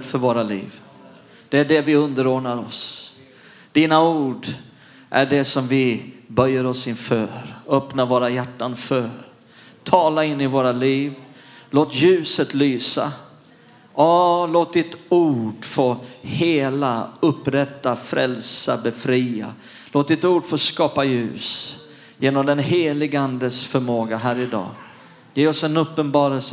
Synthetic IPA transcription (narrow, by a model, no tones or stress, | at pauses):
t̪fœɾvoːɾalḭːv | d̪̥ɛæɖɛvɪɵnd̪əɾoːɳaɾɔs | d̪̥iːnauːɖ | ʔæ̰ɖɛsɔmvɪbœɾjːəɾɔsɪnfœːɾœpnavoːɾajæʈːanfœːɾ | t̪ʰɑːlaɪnːɪvoːɾaliːv | loːt̪jʉ̟ːsət̪lyːsa̰ | ʔɑloːt̪̚d̪ɪt̪uːɖfoːheːlaɵpːɾɛt̪ːafɾɛlsabɛfɾiːa̰ | loːt̪̚d̪ɪt̪uːɖfoːskɑːpajʉ̟̰ːs | jeːnɔmd̪ɛnɦeːlɪɡəand̪əsfœɾmoːɡaɦæːɾɪd̪ɑ̰ː | jeːɔsɛnɵpːənbɑːɾəls